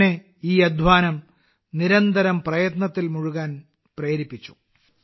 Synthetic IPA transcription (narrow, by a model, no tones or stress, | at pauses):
ne | iːjɐd̪ʱʋaːnɐm | niɾɐnd̪ɐɾɐmprɐjɐt̪nɐt̪ːilmuɻuɣaːn | prɐjːɾipːit͡ɕːu̥̰